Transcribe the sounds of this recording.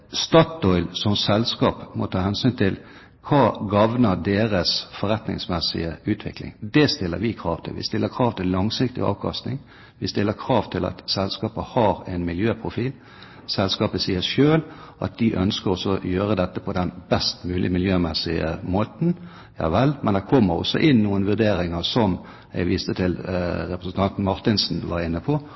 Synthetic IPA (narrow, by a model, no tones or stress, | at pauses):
st̪ɑt̪ɔʏlsɔmsɛlskɑːpmɔ̰t̪ʰɑːhɛnsyːnt̪ʰɪl | kʰɑːɡɑʋnəd̪eːɾəsfɔɾɛt̪nɪ̰ŋsmɛsɪ̰əʉːt̪ʰʋɪ̰klɪ̰ŋd̪ɛst̪ɪlːə̰ɾʋɪkʰɾɑːʋt̪ʰɪ̰lʋɪ̰st̪ɪlːəkʰʁɑːʋt̪ʰɪllːɑŋsɪkt̪ɪ̰ɑ̰ːʋkʰɑ̰st̪nɪŋ | ʋɪst̪ɪlːəkʰɾɑːʋt̪ʰɪlɑ̰t̪sɛlskɑːpəhɑɾɛɪnmɪljøːpʰʁʊfiːl | sɛlskɑːpəsiːəʃøːlʔɑ̰t̪̚d̪ɪʔœnskəɾɔsːɔjøːɾəd̪ɛt̪ːəpʰɔd̪ɛnbɛst̪mʉːlʔɪ̰mɪljøːmɛsɪə̰moːt̪n̩ | jɑ̰ːʋɛlmɛnd̪ɛkʰɔmːəɾɔ̰sːɔ̰ʔɪnːuːənʋʉd̪eːɾɪŋəsɔm | ɛ̰ɪʋiːst̪ət̪ʰɪlɾɛpɾəsn̩t̪ɑnt̪n̩mɑʁt̪ɪnsn̩ʋɑɾɪnːəpʰɔ